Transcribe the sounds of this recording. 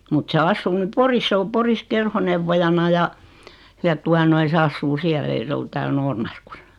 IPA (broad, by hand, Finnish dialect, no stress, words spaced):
mut se ɑsːuː ny poris sĕ o poris kerhoneʋːojɑnɑ jɑ jɑ tuɑ noi se ɑsːuː siæl ei se ol tæːl noːrmɑrkusɑ̥